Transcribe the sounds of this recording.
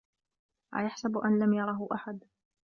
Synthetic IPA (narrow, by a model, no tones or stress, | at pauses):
ʔa̰ːjaħsabʔanlamjɑɾˤɑɦʊʔaħad̪